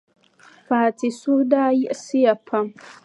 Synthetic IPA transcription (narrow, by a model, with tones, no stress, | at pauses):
faː˨ti˨su˦daː˦ji˦ʔsi˦ja˨pʰːa˦m